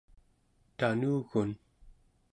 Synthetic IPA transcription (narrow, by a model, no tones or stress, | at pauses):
t̪anuːɣun